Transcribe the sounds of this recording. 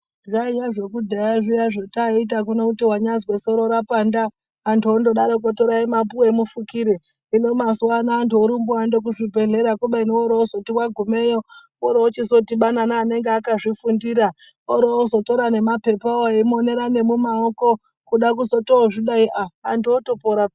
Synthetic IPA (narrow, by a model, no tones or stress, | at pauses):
ʐaijaʐekudʱajaʐijaʐotait̬ak̬unokutiwaɲazwesoɾoɾapandaː | ntuondo̞ɗaɾokotoɾaimapuwemufukiɾe | inomaswanaːntuoɾumbuandok̬uʐibʱe̞ɮe̞ɾakuɓainooɾoozotiwaɡʱumejo | oɾoot͡ʃisotiɓananaːne̞ŋɡeakaʐifundiːɾa | oɾoozoto̞ɾane̞mape̞paoemone̞ɾane̞mumaoko̞ | kuɗak̬uzo̞tooʐiɗaiʔaantotopoɾa